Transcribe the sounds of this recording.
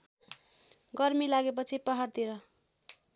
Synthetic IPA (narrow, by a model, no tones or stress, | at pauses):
ɡʌrmilaɡep̬ʌt͡sʰipʌɦart̪iɾʌ